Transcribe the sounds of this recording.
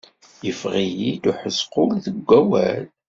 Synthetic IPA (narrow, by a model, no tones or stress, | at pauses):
jəfʁijid̪uħəzqʊlðəɡʷːæwæ̰l